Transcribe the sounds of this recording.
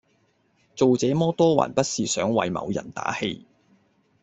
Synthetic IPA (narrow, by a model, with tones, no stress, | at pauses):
t͡so˨wt͡sɛː˨˥mɔː˥t̪ɔː˥wa̰ː˨˩npɐ˥t̚siː˨sœː˨˥ŋwɐ˨jmɐ̰˨˧wjɐ̰˨˩nt̪a̰ː˨˥he˧j